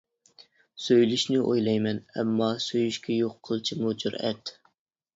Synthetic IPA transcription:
søjlyʃnɪʔojlˠɑjmɛnɛ̰mːɑsøjyʃkʲʰɛjoqʰːəlˠt͡ʃʰimud͡ʒuɾɛ̰t̪

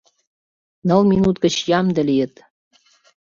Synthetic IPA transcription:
nɤ̆lˠminut̪ɡə̆t͡ɕjɑmd̪ə̆lʲijə̆t̪

